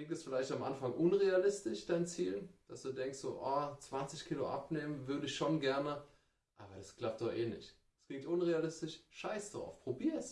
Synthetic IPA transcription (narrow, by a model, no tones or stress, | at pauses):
klɪŋtɛsfɪlaɪçtamʔa̰nfaŋʔʊnʁealɪstɪʃd̥aɪnt͡siːlnd̥asd̥uːdɛŋkstz̥o̰ːʔaːt͡sv̥ant͡sɪçkʰiːlo̰ʔa̰pneːmənvʏɐdəɪçʃonɡɛɐnə | ʔa̰ːbɐdaskl̥ap̚t̚d̥ɔχeːnɪ̰çt | skl̥ɪŋtʔʊnʁealɪstɪʃʃaɪsd̥aʁa̰ʊfpʁ̥obiːɐs